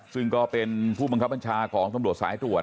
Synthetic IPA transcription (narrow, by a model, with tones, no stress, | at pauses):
sɯ˥˩ŋkɔː˥˩pe˧npʰuː˥˩ba˧ŋkʰa˦˥p̚ːa˧nt͡ɕʰaː˧kʰɔː˩˦ŋt̪a˧mɾu˨˩ət̪̚sa̰ː˩˦jt̪ɾu˨˩ət